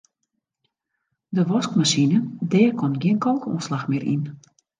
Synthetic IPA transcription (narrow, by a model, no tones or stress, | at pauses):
dəʋɔskmasinəndɛːəkʰɔnɡiənkʰɔlˠkəṵːnslaxmɪəɾʔḭn